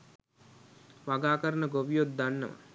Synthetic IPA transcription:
ʋaɡaːkɐɾɐnɐɡoʋijot̪̚d̪anːɐ̰ʋɐ̰

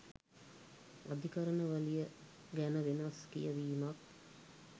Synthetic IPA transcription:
ad̪ʱikaɾənəʋalijə | ɡænəʋenaskḭjəʋiːmak̚

